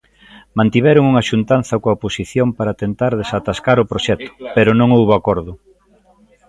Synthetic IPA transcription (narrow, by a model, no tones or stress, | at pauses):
mãnt̪iβɛɾʊŋuŋɐʃunt̪anθɐkoaoposiθjompaɾɐt̪ent̪aɾðesat̪askaɾʊpɾoʃɛt̪ʊ̥peɾʊnõŋowβoakɔɾðʊ